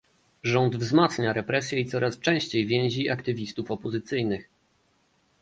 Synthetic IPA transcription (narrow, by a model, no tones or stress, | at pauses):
ʐɔnd̪vzmat̪sɲaɾɛpɾɛsʲjɛit̪sɔɾast͡ʂɛ̃ɕt͡ɕejvʲjɛ̃w̃ʑiakt̪ɘvʲist̪ufɔpɔzɘt̪sɘjnɘx